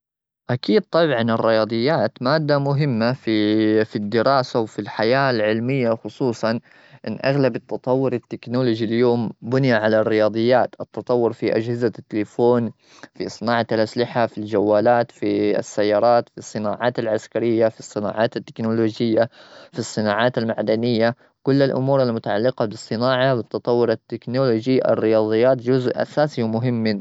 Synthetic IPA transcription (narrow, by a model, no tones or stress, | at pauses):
ʔakiːd̪̚t̪ˤɑbʕɑnɪrːɪjɑːd̪ˤɨjːaːt̪maːd̪ːamʊɦɪmːafifid̪ːɪɾɑːsawfilħajaːlʕɪlmɪjːaxʊsˤuːsˤɑn | ʔɪnːʔaɣlabɪt̪ːɑt̪ˤɑwːʊɾɪt̪ːɪknolʊd͡ʒiljoːmbʊnjaʕalarːɪjɑːd̪ˤɨjːaːt̪ʔɪt̪ːɑt̪ˤɑwːʊɾfiʔa̰d͡ʒhɪzat̪ːɪlɪfoːn | fisˤɨnaːʕaalʔaslɪħafild͡ʒawːaːlaːt̪fḭsːajːɑːɾˤɑːt̪fisˤːɨnaːʕɑːt̪alʕaskaɾɪjːafisˤːɨna̰ːʕaːt̪at̪ːɪ̥knoloːd͡ʒɪjːafisˤːɨnaːʕaːt̪almaʕd̪anɪjːa | kʊlːalʔʊ̰muːɾalmʊt̪aʕalːɪqɑbɨsˤːɨnaːʕɑbɪt̪ːɑt̪ˤɑwːʊɾat̪ːɪknoːlod͡ʒiʔa̰rːɪjɑːd̪ˤɨjːaːt̪d͡ʒʊzʔʔa̰saːsiwmʊɦɪmː